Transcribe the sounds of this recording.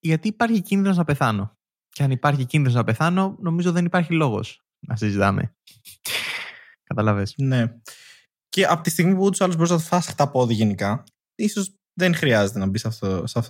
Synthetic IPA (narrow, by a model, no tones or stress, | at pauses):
ʝɐt̪iːpɐɾçicinðino̞snɐpe̞θɐno̞ | ceɐnipɐɾçicinðinosnɐpe̞θɐno̞no̞mizoðe̞nipɐɾçilo̞ɣo̞̰s | nɐsizit̪ɐmḛ | kɐt̪ɐlɐvesne̞ | ce̞ʔɐpot̪ist̪iɣmipuut̪u̥sɐluzbo̞ɾiznɐt̪ofɐsxt̪ɐpoðiʝenikɐ | isoz | ðe̞ŋxɾiɐze̞t̪enɐbisɐft̪osɐft̪